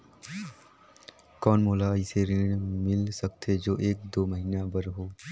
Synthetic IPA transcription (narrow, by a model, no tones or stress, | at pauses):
kɔːnmoːlaɪseɾɪɽmɪlsək̚t̪ʰed͡ʒoːʔeːk̚d̪oːməɦiːnabəɾɦoː